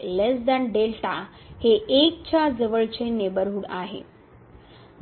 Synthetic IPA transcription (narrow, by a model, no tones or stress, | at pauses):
lesd̪æ̃nɖelʈa | heʔek̚t͡ɕad͡zəʋəɭt͡ɕenebəɾɦuɽaɦḛ